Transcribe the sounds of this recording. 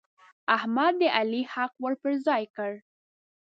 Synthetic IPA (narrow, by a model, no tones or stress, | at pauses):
ahmad̪̚ːəʔalihaqwəɽpəɾzɑjkəɽ